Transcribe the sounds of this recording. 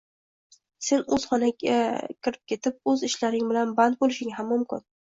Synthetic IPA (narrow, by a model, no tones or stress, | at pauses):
se̞nɵz̥χɒnaakʲʰɪɾɪp̚kʲe̞t̪ʰɪp̚ɵzɪʃlaɾɪŋbɪlanband̪̚bolɪʃɪŋɦamːʊmkʰʲɪn